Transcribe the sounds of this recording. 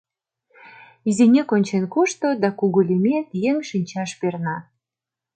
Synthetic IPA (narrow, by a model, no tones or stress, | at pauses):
izinʲekonʲt͡ɕenkuʃt̪od̪ɑkuɣulʲimet̪jeŋʃinʲt͡ɕɑʃpernɑ